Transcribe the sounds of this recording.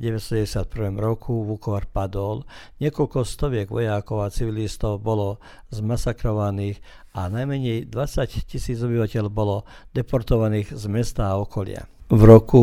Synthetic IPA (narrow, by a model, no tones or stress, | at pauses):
ɟɛʋɛsɔɛɛsɪat̪pr̩ʋɛːmɾɔkʰuʋukɔʋaɾpad̪ɔlɲɪɛkɔlkɔst̪ɔʋɪɛɡʋɔ̰jakɔʊat͡siʋilist̪ɔʊbɔlɔ | zmasakɾɔʋaniːx | anajmɛɲɛjd̪ʋat͡saccisiːd͡zɔbiʋacɛlbɔlɔd̪̥ɛpɔɾt̪ɔʋaniːɣzmɛst̪aːɔkɔlɪa̰vɾɔku